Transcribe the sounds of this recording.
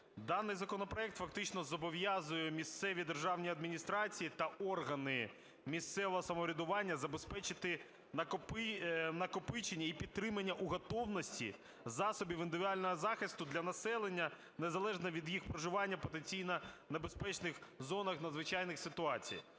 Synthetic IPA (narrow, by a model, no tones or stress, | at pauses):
d̪ɑnːɪjzɐkɔnɔpɾɔɛk̚t̪fɐkt̪ɪt͡ʃnɔzɔbɔʋjazʊjɛmʲist̪sɛʋʲid̪erʒɑwnʲiɐd̪mʲinʲist̪ɾɑt͡sʲijit̪ɐɔrɦɐnɪ | mʲist̪sɛʋɔɦɔsɐmɔɾʲɪd̪ʊʋɑnʲːɐzɐbespɛt͡ʃɪt̪ɪ | ɐkpnɐkɔpɪt͡ʃenʲːɐipʲid̪̚t̪ːɾɪmɐnʲːɐʔuɦɔt̪ɔwnɔsʲtʲḭ | zɑsɔbʲiwɪnd̪ɪʋʲd̪alʲnɔɦɔzɑxɪst̪ʊd̪lʲɐnɐsɛlˠenʲːɐ | nezɐlˠɛʒnɐʋʲid̪jixpɾɔʒɪʋɑnʲːɐpɔt̪̬enʲt͡sʲijnɐnɐbespɛt͡ʃnɪxzɔnɐxnɐd̪zʋɪt͡ʃɑjnɪxsɪt̪ʊɑt͡sʲḭj